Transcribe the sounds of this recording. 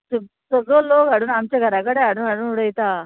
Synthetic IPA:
sə | səɡəloɡaɽuːnamt͡ɕjaɡʱəɾakəɽeɦaɽuːnɡʱaɽuːnuɽəjt̪a

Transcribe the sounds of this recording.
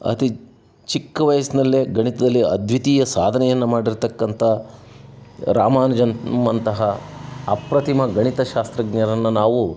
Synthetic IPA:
ɐ̰t̪i | t͡ʃikːɐʋɐjɐsinɐlːeɡɐɳit̪ɐd̪ɐlːiɐ̰d̪ʱʋit̪iːjɐsaːd̪ʱɐnɛjɐnːɐmaːɽiɾt̪ɐkːɐnt̪ʰɐ | ɾaːmaːnɐd͡ʒɐnmɐnt̪ɐɦɐː | pɾɐt̪imɐɡɐɳit̪ɐʃaːst̪ɾɐɡɲɐɾɐnːɐnaːʋu

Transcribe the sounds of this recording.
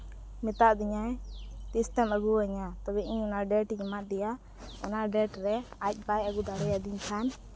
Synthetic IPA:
mit̪aʔd̪iɲajt̪ist̪ɛməɡuəɲat̪ɔbɛʔiɲɔnaɖɛʈɲimad̪ɛja | ɔ̰naɖɛʈɾɛac̚ˀbajəɡud̪ʱaɽɛjad̪iɲkʰan

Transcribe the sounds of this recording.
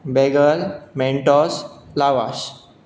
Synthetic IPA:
beɡəlmẽɳʈɔslaʋaʃ

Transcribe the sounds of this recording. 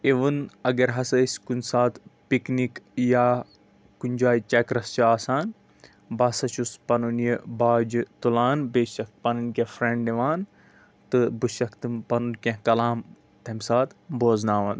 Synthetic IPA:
eʋɨnɐɡɐɾɦɐsɐisʲkunsaːt̪piknikjaː | kuɲʲd͡ʒaːjt͡ʃɐkɾɐst͡ʃaːsaːn | bɐːsɐt͡ʃʰuspɐnunjibaːd͡ʒt̪ulaːnbeːʃɐk̚t̪̚pɐnunkʲẽfɾẽɳɖiʋaːn | t̪ɨbɨʃɐkt̪ɨmpɐnunkʲẽɦkɐlaːm | t̪ʰɐmsaːt̪boːznaːʋɐn

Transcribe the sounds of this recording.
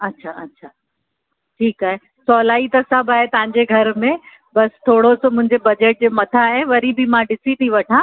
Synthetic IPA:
ɐtːɕʰaɐtːɕʰa | ʈʰiːkaːɦe | sɔːlaːit̪ɐsɐbʱaːɦet̪ɐʋãɲd͡ʑeɡʱɐɾmẽ | bɐst̪ʰoːɽosomʊ̃ɦɪ̃ɲd͡ʑebɐd͡ʑeːʈ̚d͡ʑeːmɐt̪ʰaɦẽʋɐɾibʱimãɖɪsit̪ʰiʋɐʈʰãː

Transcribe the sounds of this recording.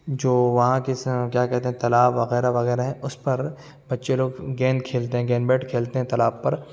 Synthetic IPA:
d͡ʒoːʋɐɦãkekjaːkɛɦt̪eɦɛ̃t̪ɐlaːbʋɐɣɛːɾaʋɐɣɛːɾaɦɛ̃ʔʊspɐɾ | bɐtːʃeloːɡɡɛ̃ːnkʰeːlt̪eɦɛ̃ɡɛ̃ːnbeːʈkʰeːlt̪eɦɛ̃t̪ɐlaːbpɐɾ

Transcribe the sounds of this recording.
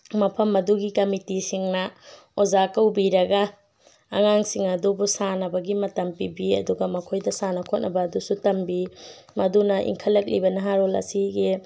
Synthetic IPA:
mɐpʰɐmɐduɡikɐmitisiŋnɐ | ozakɐwbiɾɐɡɐ̰ː | ŋaŋsiŋɐdobusanɐbɐɡimɐtɐmpibiɐ̰duɡɐmɐkʰojdɐsanɐkʰot̚nʔɐbɐːdusutɐmbimɐdunɐʔḭŋkʰɐlɐk̚libɐnɐɦaɾolɐ̰siɡe

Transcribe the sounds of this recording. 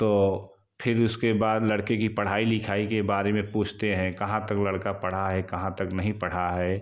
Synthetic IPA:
t̪oː | pʰɪɾʊskebaːd̪lɐɽkekipɐɽ̤aːilɪkʰaːikebaːɾemẽpuːt͡ʃʰt̪eɦɛ̃kɐɦãt̪ɐklɐɽkapɐɽ̤aɦɛkɐɦãt̪ɐknɐɦĩpɐɽ̤aɦɛː

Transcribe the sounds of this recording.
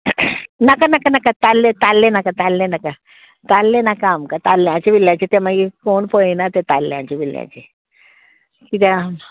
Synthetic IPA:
nəkanakanakat̪alːet̪alːenakat̪alːẽnaka | t̪alːenakaamkat̪alːjãt͡ɕiʋiljãt͡ɕit̪eməɡikoɳpəinat̪et̪alːjã̰t͡ɕiʋiljã̰t͡ɕi | kit̪jam

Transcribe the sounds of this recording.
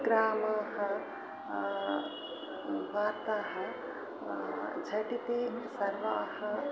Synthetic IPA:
ɡɾaːmɐɦɐ | baːɾt̪aɦɐ | d͡ʒʱɐʈit̪esɐɾʋahɐ

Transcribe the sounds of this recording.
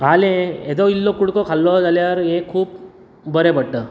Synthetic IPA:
kʰalẽed̪ɔilːokuɽkɔkʰalːɔd͡zaljaɾɦẽkʰuːp | bəɾebʱəɽʈəː

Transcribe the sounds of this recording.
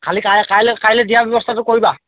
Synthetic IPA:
kʰalikakajlɛkajlɛdijabjɔbɔstʰatʊkoɹiba

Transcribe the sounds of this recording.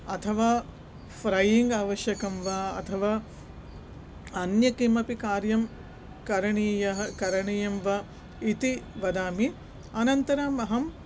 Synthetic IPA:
ɐt̪ʰɐʋaː | fɾɐjiŋɡaːʋɐʃjɐkɐmʋɐɐ̰t̪ʰɐʋaː | ɐnjɐkimɐpikaːɾjɐm | kɐɾɐɳiːjɐɦɐkɐɾɐɳijɐmʋɐ | it̪iʋɐd̪aːmi | ɐnɐnt̪ɐɾaːmɐɦɐm

